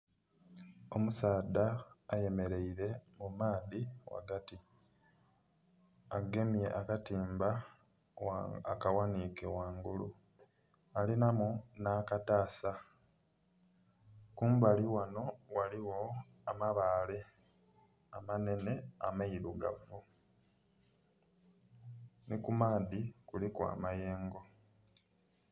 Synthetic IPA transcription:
o̞musaːdaːje̞me̞ɾe̞iɾe̞mumaːðiwa̰ɡati | aɡe̞mje̞ʔakatiːmba | akawanikewaːŋɡulṵ | alinamunakataːsa | kuːmbaliwano̞waliwo̞ | amaβaːle̞ | amane̞ne̞amaiɾuɡa̰vu | nikumaːðikulikwa̰ːmaje̞ːŋɡo̞

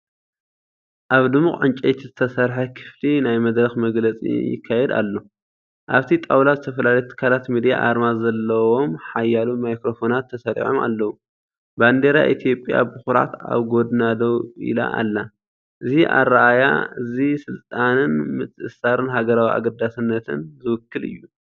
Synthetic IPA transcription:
ʔaβd̪ɨmːuxʼʕɨnt͡ʃʼɐjt̪ʰizɨt̪ʰɐsɐɾħakʰɨ̥flinajmɐd̪ɾɐxmɐɡlɐt͡sʼḭjɪ̰kʰːajɛd̪a̰lːo̞ | ʔaβt̪ʰit̪ʼawlazɨt̪ʰɐfɐlalejt̪ʰɨ̥kʰːalat̪mid̪ija̰ʔaɾmazɐlːɐwo̞mħajalumajkɾo̞fo̞nat̪ʰːɐsɐɾḭʕoma̰lːɐwu | band̪eɾa̰ʔit̪ʰijo̞pʼja̰bɨxuɾa̰t̪a̰βɡo̞d̪nad̪ɐwʔḭla̰ʔa̰lːa | ʔɨziʔa̰raʔaja̰ɨzisɨlt̪ʼanɨnmɨt͡sʼɨʔɨsaɾɨnɦaɡɐɾawia̰ɡɐd̪asɨnːɐt̪ʰɨ̰nzɨwɨkːɨlɨ̰jːu

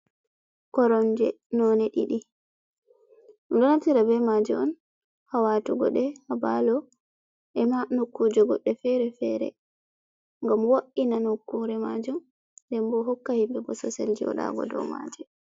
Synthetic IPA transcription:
kɔɾɔnd͡ʒɛ | nɔnɛɗiɗi | dɔnatiɾabɛmad͡ʒɛɔn | hawatuɡɔ̰ɗɛhabalɔ | ʔɛmanokːud͡ʒɔɡɔɗːɛfɛɾɛfɛɾɛ̰ | ŋɡamwoʔinanokːuɾɛma̰d͡ʒum | ndɛmbɔɦɔkːahimbɛɡɔsɔ̰sḛld͡ʒiɔ̰ɗa̰ɡɔ̰dɔ̰ma̰d͡ʒɛ

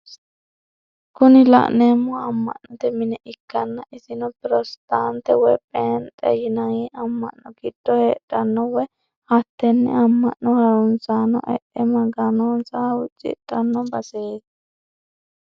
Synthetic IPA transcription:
kʊnɪlɐ̰ʔneːmːɔɐmːɐ̰ʔnɔt̪ɛmɪnɛʔɪkːɐnːɐʔɪsɪnɔpɾɔst̪aːnt̪ɛwɛpʼeːnt̪ʼɛ̰jɪnɐŋiɐmːɐ̰ʔnːɔɡɪd̪̥ːɔheːᶑɐnːɔwɛ | hɐt̪ːɛnːɛ̰ɐmːɐʔnːɔhɐɾʊnsanːɔ̰ʔɛ̰ʔɛmɐɡɐnoːnsaʊt͡ʃʼːɪ̰ᶑ̪ɐnːɔbɐseːt̪

